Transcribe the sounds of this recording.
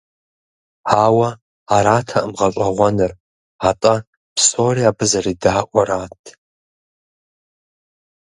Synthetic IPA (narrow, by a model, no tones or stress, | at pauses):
awaː | ɾaːtʰaʔɨmʁaʈ͡ʂʷʼaʁʷanɨr | atʼa | psoriabɨzaridaːʔʷʼaɾatʰ